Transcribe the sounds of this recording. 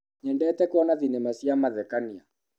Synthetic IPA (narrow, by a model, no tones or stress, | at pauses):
ɲɛndɛtɛkwɔnaðinemasiamaðɛkania